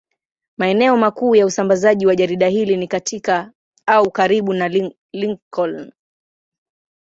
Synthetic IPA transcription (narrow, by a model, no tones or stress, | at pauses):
maɛnɛɔmakuːjausambazaʄiwaʄaɾiɗahilinikatʰika | aukaɾiɓunal | liŋkɔln